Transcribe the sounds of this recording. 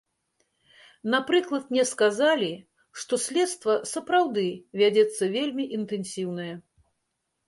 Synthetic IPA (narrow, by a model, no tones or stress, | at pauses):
napɾɨklˠɐt̪mnʲɛskazalʲi | ʂt̪ɔsʲlʲɛt̪st̪vɐsɐpɾawd̪ɨvʲad͡zʲɛt̪sːɐvʲelʲmʲiʔint̪ɛnʲsʲiwnɨjɛ